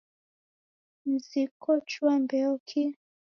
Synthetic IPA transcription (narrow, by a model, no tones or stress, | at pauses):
m̩zikɔt͡ʃwambɛɔkʰi